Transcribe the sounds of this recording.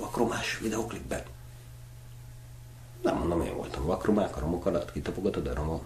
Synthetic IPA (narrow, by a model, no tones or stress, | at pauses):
ɒkromaːʃvid̪ɛoklibːɛn | ɛ̰mːond̪omḛːɱvo̰lt̪ɒmvɒkromaːkɒɾo̞mo̞kɒlɒt̪ːkit̪ɒpoɡɒt̪od̪ɒɾomok